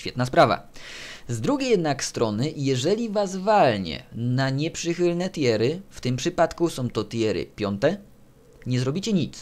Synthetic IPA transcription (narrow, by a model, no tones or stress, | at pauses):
fʲɛt̪naspɾava̰zd̪ɾuɡʲejɛd̪nakst̪ɾɔnɘjɛʐɛlʲivas̬valɲɛ̰naɲɛpʂɘxɘlnɛt̪jɛɾɘft̪ɘmpʂɘpat̪kusɔ̃w̃t̪ɔt̪jɛɾɘ̰pʲjɔnt̪ɛ | ɲɛzɾɔbʲit͡ɕɛɲit̪s